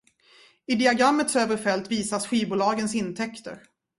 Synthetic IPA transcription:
ɪd̪ɪaɡɾamːət̪søːvəɾfɛlt̪viːsasɧiːbʊːlɑːɡənsɪnt̪ʰɛkt̪ə̰ɾ

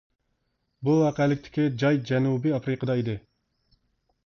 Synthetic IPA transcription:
buwɑːqɛlɪkʲt̪ʰɪ̥kʲid͡ʒɑjd͡ʒɛnubiɑfɾɨqəd̪ɑid̪ɪ

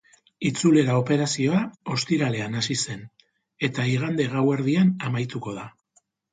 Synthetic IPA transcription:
it͡sule̞ɾao̞pe̞ɾasio̞ao̞st̪iɾale̞anasise̞n | e̞t̪aiɣ̞and̪e̞ɣawe̞ɾðianamajt̪uko̞ð̞a

